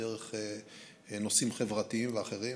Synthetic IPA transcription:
eʁeχe | no̞simχevʁat̪iimveaχe̞ʁi

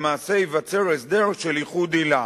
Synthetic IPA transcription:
maːse̞ivat͡se̞ʁes̬d̪e̞ʁʃeliχud̪ila

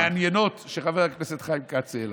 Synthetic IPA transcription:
anjenot̪ʃʃeχaveʁakneset̪χaimkat͡sel

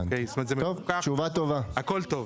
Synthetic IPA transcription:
nejist̪omat̪zemt̪ovt͡ʃuvat̪o̞vaakolt̪ov

